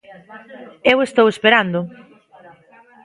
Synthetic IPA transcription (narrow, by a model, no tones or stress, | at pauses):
ewest̪owespeɾand̪ʊ